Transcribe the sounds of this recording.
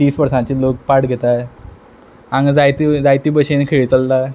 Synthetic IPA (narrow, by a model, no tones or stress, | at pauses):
t̪iːsʋəɾsãt͡ɕiːlok̚paʈɡʱet̪a | ãŋɡd͡zajt̪id͡zajt̪iːbəɕenkʰeɭt͡səlːa